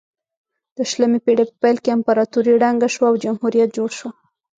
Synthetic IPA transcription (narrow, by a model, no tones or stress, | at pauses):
d̪̥əʃlamepeɽepə̥pajlkeampaɾɑt̪uɾiɽaŋɡaʃwaːwd͡ʒamhuɾijat̪̚d͡ʒoɽʃwa